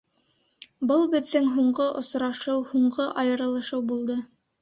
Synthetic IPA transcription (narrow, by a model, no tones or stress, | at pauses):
bɤlˠbɘ̆ðːɘŋɦuɴɢɤʔŏsɾɑʃɤwhuɴɢɤʔɑjɤ̆ɾɤ̆lˠɤ̆ʃɤwbulˠd̪ɤ